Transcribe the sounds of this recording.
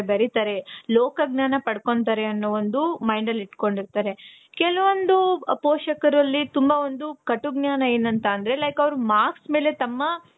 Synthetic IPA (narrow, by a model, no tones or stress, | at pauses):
bɐɾit̪aːɾe̞lɔːkɐɡnaːnɐpɐɽkoɳt̪̬aːɾeɐnːuʋond̪umɐjɳɖɐliʈko̞ɳɖiɾt̪aːɾe̞ | kɛlɐʋond̪upoːʃɐkɐɾɐlːit̪umbɐond̪ukɐʈuɡnjaːnɐe̞ːnɐnt̪ɐːnd̪ɐɾe̞lɐjkɐʋɐɾumaːksme̞ːle̞t̪ɐmːɐ